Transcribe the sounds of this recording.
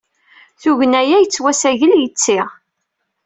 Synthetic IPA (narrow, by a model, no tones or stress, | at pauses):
θuʝənæjæjət͡sːwæsæʝəljət͡sːɪʁ